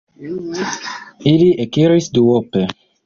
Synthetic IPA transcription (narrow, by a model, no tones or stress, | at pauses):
iliekiɾisd̪uope